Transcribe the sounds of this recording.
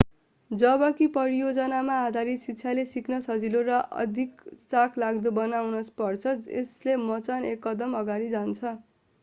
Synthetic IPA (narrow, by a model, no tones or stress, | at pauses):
d͡zʌbʌkipʌɾijod͡zʌnamaːd̪ʱaɾit̪sitːt͡sʰjalesiknʌsʌd͡zilorʌʔʌ̰d̪ʱiksakʰlaɡd̪obʌnawnʌspʌrt͡sʰʌeslemʌt͡sanekːʌd̪ʌmʌɡaɾid͡zant͡sʰʌ